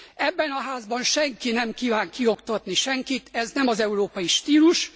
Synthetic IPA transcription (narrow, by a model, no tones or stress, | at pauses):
ɛbːɛnɒɦaːzbɒnʃɛŋkinɛmkiːvaːŋkio̞kt̪ɒt̪niʃɛŋkit̪ɛznɛmɒzɛuɾoːpɒjiʃt̪iːluʃ